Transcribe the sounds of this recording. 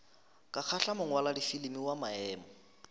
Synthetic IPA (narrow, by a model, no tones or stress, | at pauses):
kʼak͡xʰaɬamʊŋwaladifilimiwamaɛːmɔ